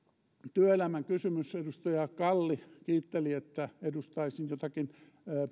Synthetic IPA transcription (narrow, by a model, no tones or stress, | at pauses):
t̪yøelæmæŋkysymysedust̪ɑjɑkɑlːikiːt̪ːeliet̪ːæedust̪ɑisinjot̪ɑkinː